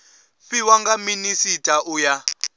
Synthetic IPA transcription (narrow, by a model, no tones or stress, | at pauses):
ɸiwaŋɡaminisitʰʼaʔuja